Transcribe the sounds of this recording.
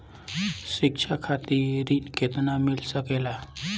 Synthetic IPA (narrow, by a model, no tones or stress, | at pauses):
ɕikʂakʰat̪iːɾiːʈket̪namilsəkela